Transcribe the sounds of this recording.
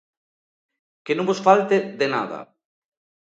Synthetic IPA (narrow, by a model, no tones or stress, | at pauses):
kenõmbosfalt̪eðena̰ðɐ̰